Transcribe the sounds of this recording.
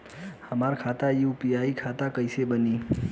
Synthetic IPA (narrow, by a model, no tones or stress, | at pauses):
həmaɾkʰaːt̪ajupijaːikʰat̪akəɪsebəniː